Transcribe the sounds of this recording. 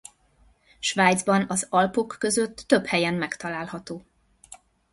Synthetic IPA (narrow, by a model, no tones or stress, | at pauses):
ʃvaːjd̪zbɒnɒzɒlpo̞kːø̞zø̞t̪ːø̞phɛjɛmːɛkt̪ɒlaːlhɒt̪oː